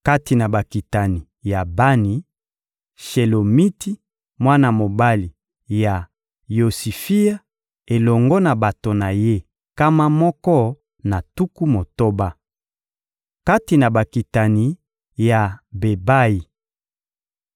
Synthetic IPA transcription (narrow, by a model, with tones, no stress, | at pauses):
ka˦ti˨na˨ba˨ki˨ta˨ni˨ | ja˨ba˦ni˨ | ʃe˨lo˨mi˦ti˦ | mwa˦na˨mo˨ba˦li˨ | ja˨ | jo˨si˨fi˦ja˦ | e˨lɔ˨ŋɡɔ˦na˨ba˨to˨na˨je˦ | ka˦ma˦mɔ˦kɔ˦ | na˨tu˦ku˦mo˨to˦ba˦ | ka˦ti˨na˨ba˨ki˨ta˨ni˨ | ja˨be˨ba˦ji˨